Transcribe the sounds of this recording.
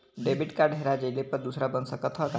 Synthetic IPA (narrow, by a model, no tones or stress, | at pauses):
ɖebiʈkaɖɦeɾad͡ʒəjlepʌd̪usɾabʌnsʌkʌt̪ʰʌka